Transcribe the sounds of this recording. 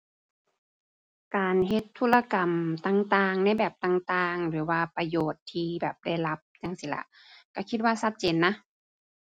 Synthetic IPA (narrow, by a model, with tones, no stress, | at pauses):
kaː˨˩nɦe˧t̪ʰːu˧˥la˧ka˨˩mt̪aː˧˩ŋt̪aː˧ŋna˧˥˨jbɛː˨˩p̚t̪aː˧˩ŋt̪aː˧ŋlɯː˨˩˦waː˧pa˧joː˨˩t̪ʰːiː˧bɛː˨˩p̚da˧˥˩jla˧˥p̚ɲa˧˩ŋsiː˧˦la̰˧ʔ | ka˧˩kʰi˧t̪̚waː˧sa˧t̪̚t͡ɕeː˨nːa˧˥